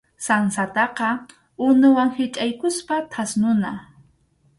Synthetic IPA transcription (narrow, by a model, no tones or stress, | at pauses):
sansat̪ɑqɑ | ʊnʊwaŋhɪt͡ʃʼajkʊspat̪ʰasnʊna